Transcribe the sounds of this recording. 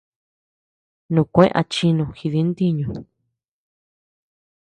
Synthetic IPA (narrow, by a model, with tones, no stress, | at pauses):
nũ˨kʷẽ˦ʔa̰˧t͡ʃi˧nũ˧xi˧ði˧˦nd̪i˦ɲũ˨